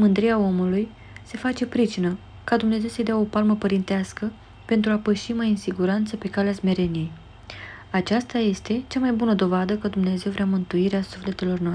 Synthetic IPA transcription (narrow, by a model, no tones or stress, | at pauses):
mɨnd̪ɾiao̞muluj | se̞fat͡ʃe̞pɾit͡ʃinə | kad̪umne̞ze̞wsəjd̪eao̞palməpəɾint̪easkə | pe̞nt̪ɾuapəʃimajɨnsiɡuɾant̪səpe̞kaleasme̞ɾe̞nije̞j | at͡ʃast̪aje̞st̪e̞t͡ʃamajbunəd̪o̞vad̪əkəd̪umnee̞ze̞wvɾeamɨnt̪uiɾeasufle̞t̪e̞lo̞rnoa